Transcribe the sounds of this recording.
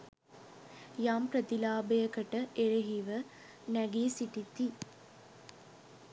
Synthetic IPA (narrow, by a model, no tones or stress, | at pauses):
jampɾət̪ilaːbəjəkəʈəʔeɾeɦiʋə | næɡiːsiʈit̪i